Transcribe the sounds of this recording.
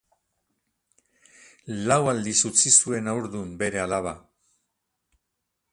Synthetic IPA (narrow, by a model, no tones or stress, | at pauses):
lawald̪isut͡sisue̞nawɾðumbe̞ɾe̞alaβ̞a